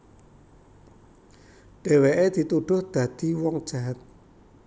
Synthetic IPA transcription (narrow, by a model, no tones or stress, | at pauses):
ɖ̥eweʔed̪̥i̤t̪uɖ̥ʊ̤hd̪̥ä̤d̪̥i̤wɔŋd̥ʒ̥aɦat̪̚